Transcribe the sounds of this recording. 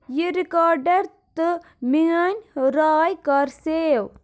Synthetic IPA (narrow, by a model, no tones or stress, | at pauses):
jiɾikaːɾɖɐɾt̪ɨ | miɐnʲɾaːjkɐɾsew